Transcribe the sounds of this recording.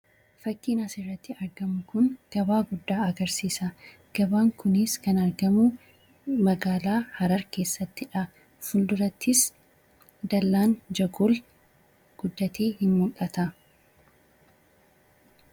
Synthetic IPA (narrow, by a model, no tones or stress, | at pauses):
fɐkːiːnɐsɪrːɐt̪ːɪɐɾɡɐmʊkʊŋɡ̥ɐbaːɡʊd̪ːaːɐɡɐɾsiːsɐ | ɡ̥ɐbaːŋkʊnɪskɐnɐɾɡɐmʊ | mɐɡaːlaːhɐɾɐɾke̞ːsːɐt̪ːɪᶑɐ | fʊld̪ʊɾɐt̪ʰːɪs | d̪ɐlːaːnd͡ʒɐɡol | ɡ̥ʊd̪ːɐt̪ʰe̞ːhɪnmʊkʼɐt̪ɐ